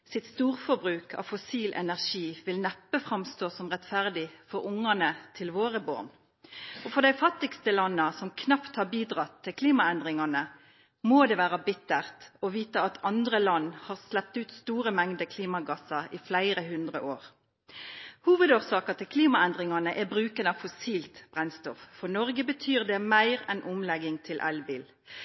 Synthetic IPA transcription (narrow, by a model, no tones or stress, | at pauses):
sɪt̪st̪uːʁfɔbʁʉːkʰɑ̰fʊsiːlʔɛ̰næʁʂiːʋɪlnɛpːəfɾɑmst̪oːsɔmʁɛt̪fæʁd̪ɪfɔɾʊŋɑnət̪ʰɪlʋoːʁəbo̰ːʁn | ɔfɔʁd̪æɪfɑt̪ːɪkst̪əlɑnːəsɔmkʰnɑpt̪hɑʁbiːd̪ʁɑt̪ʰːɪlkʰliːmɑɛnd̪ʁɪŋɑnə | moːd̪ɛːʋæːʁəbɪt̪ːəʁt̪ɔʋiːt̪əɑt̪ʰɑnd̪ʁəlɑnːhɑʁslɛp̚t̪ʉːt̪st̪uːʁəmɛŋd̪əkʰliːmɑɡɑsɑɪflæɪɾəɦʉnd̪ʁə̰ʔoːʁ | huːʋəd̪oːʁsɑːkɑt̪ʰɪlkʰliːmɑɛnd̪ʁɪŋɑnəʔɛbʁʉːkənɑfɔsiːlt̪b̥ʁɛnst̪ɔfːɔʁnɔʁɡəbət̪ʰyːʁd̪ɛmæɪʁɛnʔʊmlɛɡɪŋt̪ʰɪlʔɛ̰lbiːl